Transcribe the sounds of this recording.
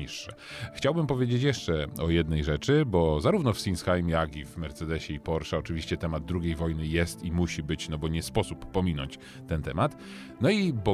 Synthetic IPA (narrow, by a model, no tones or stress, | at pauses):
iʂːɛ | xt͡ɕawbɘmpɔvʲjed͡ʑet͡ɕjɛʂt͡ʂɛɔjɛd̪̚nɛjʐɛt͡ʂɘbɔzaɾuvnɔfsʲinsxajmʲjakʲivmɛɾt̪sɛd̪ɛɕɛipɔɾʂɛɔt͡ʂɘvʲiɕt͡ɕɛt̪ɛmad̪̚d̪ɾuɡʲejvɔjnɘjɛst̪imuɕibɘt͡ɕnɔbɔɲɛspɔsupːɔmʲinɔ̰ɲt͡ɕ | t̪ɛnt̪ɛmat̪ | nɔibɔ